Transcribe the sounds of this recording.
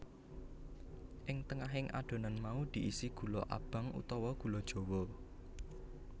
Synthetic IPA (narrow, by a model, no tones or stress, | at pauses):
ʔɪŋt̪əŋaɦɪŋʔa̰ɖ̪̥o̤nanmaud̪̥i̤ʔisiɡ̥ṳlɔʔa̰b̥a̤ŋṵt̪ɔwɔɡ̥ṳlɔd̥ʒ̥o̤wɔ